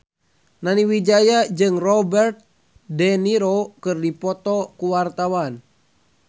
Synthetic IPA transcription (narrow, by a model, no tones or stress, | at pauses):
naniwid͡ʒajad͡ʒɨŋrɔbɛrt̪̚ | dɛniɾokɨrdipɔt̪ɔkuwart̪awan